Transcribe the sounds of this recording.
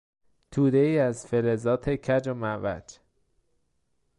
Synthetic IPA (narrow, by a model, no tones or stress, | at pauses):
t̪ʰuːd̪eiːæzfelezɒːt̪ʰecʰæd͡ʒomævæ̰d͡ʒ